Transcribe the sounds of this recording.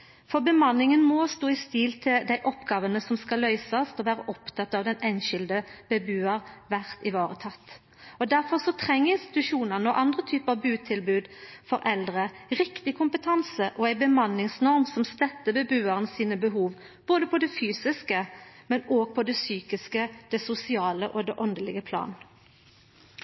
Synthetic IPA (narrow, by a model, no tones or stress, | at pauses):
fɔbəmɑnːɪŋənmɔst̪oːɪst̪ɪlt̪ʰɪld̪æɪʔɔpɡɑːʋənəsɔmskɑlœʏsɑst̪ɔʋæːɾəʔɔpt̪ʰɑt̪ːɑːʋd̪ɛnɛɪnʃɪld̪əb̥ɛbʉːɑʁʋæʁt̪ɪʋɑːʁət̪ʰɑt̪ː | ɔd̪æɾfɔʁsɔt̪ʰʁɛŋːəɪnst̪ɪ̥t̪ʉʂuːnənəɔʔɑnd̪ʁət̪ʰyːpəɑʋbʉːt̪ʰɪlbʉːd̪fɔɾʔɛld̪ʁəʁɪkt̪ɪkʰʊmpət̪ʰɑnsəʔɔæɪbəmɑnːɪŋsnɔʁmsɔmst̪ɛt̪ːəbəbʉːɑʁənsiːnəbəɦuːʋ | b̥oːd̪əpʰɔd̪ɛfyːsɪskəmɛnoːɡ̚pʰɔd̪ɛsyːkɪskəd̪̥ɛsʊsɪɑːləʔɔd̪ɛʔɔnd̪əlɪɡəpʰlɑ̰ːn